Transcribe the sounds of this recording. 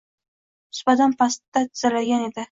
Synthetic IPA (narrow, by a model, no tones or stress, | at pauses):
ʊ̥sbad̪anpʰast̪ːat̪ʰɪzalaɡʲane̞d̪ɪ